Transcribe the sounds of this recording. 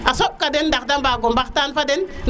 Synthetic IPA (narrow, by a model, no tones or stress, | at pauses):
asoɓ̚kadendak̚dambaɡombaktanfaden